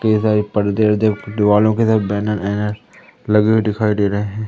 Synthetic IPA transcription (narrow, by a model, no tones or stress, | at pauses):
kəisaːɾipɐɽd̪eɾd͡ʒɐbd̪ɪʋaːlõkesaːt̪̚bɛːnənɛːnəɾ | lɐɡeeɖ̪ɪkʰaːid̪eːɾɐɦeɦɛ̃ː